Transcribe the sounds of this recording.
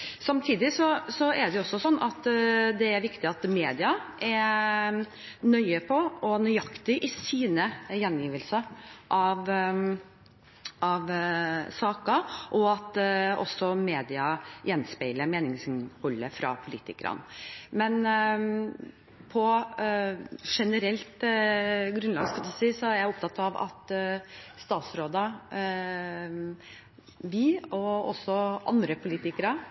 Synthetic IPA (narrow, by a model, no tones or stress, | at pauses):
sɑmt̪ʰiːd̪ɪsɔsɔæɖ̪ɛjʊɔsːɔsɔnːɑt̪d̪ɛæɾʋɪkt̪ɪɑt̪meːd̪ɪɑʔæɾ | nœʏəpʰɔɔnœʏɑkt̪ɪʔɪsiːnəjɛnjiːʋəlsəʔɑʋ | ɑʋsɑːkɑʔɔɑt̪ɔ̰sːɔmeːd̪ɪɑjɛnspæɪləmeːnɪŋsɪnhɔlːəfɾɑ̰pʰʊliːt̪ɪkɾɑ̰nmɛn | pʰɔ | ʂɛnəɾɛlt̪ | ɡɾʉnlɑːɡskɑt̪ɪst̪iːsɔæɾjæɪʊp̚t̪ʰɑt̪ːɑʋɑ̰t̪ | st̪ɑːt̪sɾoːd̪ɑ | ʋɪɔɔ̰sːɔʔɑ̰nd̪ɾəpʰʊliːt̪ɪkəɾə